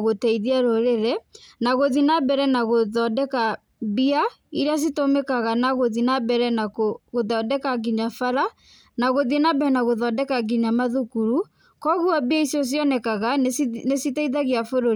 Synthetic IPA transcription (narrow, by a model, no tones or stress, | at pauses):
ɣotɛiðiaɾoɾeɾɛnaɣoðinabɛɾɛnaɣoðɔdɛka | bia | iɾas̬itomekaɣanaɣoðinabɛɾɛnakoɣoðɔdɛkaɡiɲafaɾa | naɣoðienabɛɾɛnaɣoðɔdɛkaɡiɲamaðukuɾu | kɔɣuabiaisjɔs̬jɔnɛkaɣanesitɛiðaɣiafoɾo